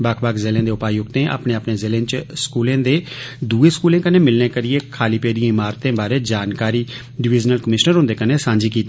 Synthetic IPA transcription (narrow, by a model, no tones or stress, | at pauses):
bakʰbaːkzeːlẽːd̪eːʊpaːjʊkt̪ẽːʔa̰ːpnẽːapneːzɪːlẽːt͡ʃskuːlẽːd̪eː | d̪uːeːskuːlẽːkənẽːmɪlnẽːkəɾɪeːkʰaːliːpeːd̪ijãːɪmaːɾt̪ẽːbaːɾeːd͡ʒaːnkaːɾiː | ɖɪʋɪːd͡ʒnəlkəmɪʃnəɾɦʊ̃nd̪eːkəneːsãːɲd͡ʒiːkiːt̪ː